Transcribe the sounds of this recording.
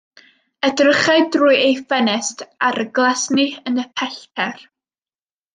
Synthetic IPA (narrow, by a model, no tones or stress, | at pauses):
ədrəχaɨdruːɨejfɛnɛstʰaɾəɡlˠasniənəpʰɛɬtʰɛr